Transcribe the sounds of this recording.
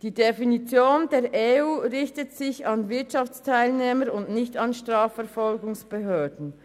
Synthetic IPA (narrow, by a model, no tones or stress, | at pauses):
d̥iːdefinit͡sjoːndeːɐʔeuːʁɪçtətsɪçɑnvɪɐtʃɑft͡stʰaɪlneːməɾʊndnɪçtɑnʃtʁ̥aːfɛɐʁfɔlɡʊŋsb̥eɦøːɐdn̩